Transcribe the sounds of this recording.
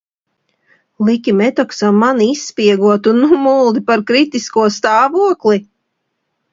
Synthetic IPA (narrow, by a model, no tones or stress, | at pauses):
lˠikʲimɛt̪ɔksamːanisːpʲiɛɡuɔt̪unːumulˠd̪ipaɾkɾit̪iskuɔst̪aːvuɔklˠi